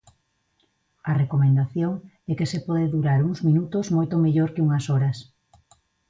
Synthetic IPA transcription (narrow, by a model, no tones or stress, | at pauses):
ɐrekomẽnd̪aθjoŋ | ɛkesepɔðeðuɾaɾuŋzmĩnut̪ozmojt̪omeʎoɾkɪuŋɐsɔɾɐs